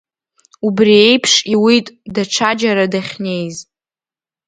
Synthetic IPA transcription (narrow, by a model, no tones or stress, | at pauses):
ubrie̞jpʰʂiwitʼdaʈ͡ʂʰad͡ʒaɾadaχʲne̞jz